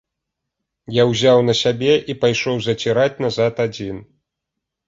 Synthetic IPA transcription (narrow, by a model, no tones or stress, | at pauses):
jawzʲawnɐsʲabʲɛʔipajʂɔwzɐt͡sʲiɾat͡sʲnɐzat̪ad͡zʲin